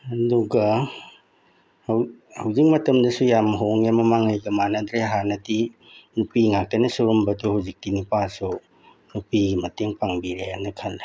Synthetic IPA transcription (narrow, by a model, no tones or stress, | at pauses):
ɐduɡɐ | hwhawzik̚mɐtɐmdɐsujamɦoŋjamɐmaŋajɡɐmanɐdɾeɦanɐti | nupiŋak̚tɐnɐsuɾumbɐtuhawzik̚tinipasu | nupiɡimɐteŋpaŋbiɾeanɐkʰanːa